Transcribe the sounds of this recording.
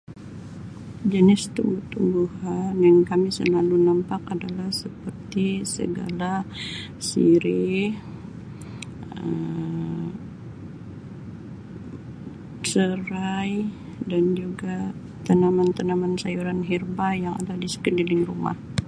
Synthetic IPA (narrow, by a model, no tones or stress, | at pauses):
d͡ʒənɪst̪umbuht̪umbuɦanjaŋkamisə̰lalunampakadalahsəpərt̪isə̰ɡa̰la | sḭɾi | ə | səɾaj | dand͡ʒuɡa | t̪ənamant̪ənamansajuɾanɦirbajaŋa̰dadisə̥kəndilɪŋruma̰h